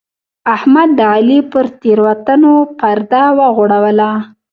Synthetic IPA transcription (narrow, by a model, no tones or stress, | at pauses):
ahmad̪ːəalipəɾt̪eɾwat̪anopaɾd̪awəɣoɽawəla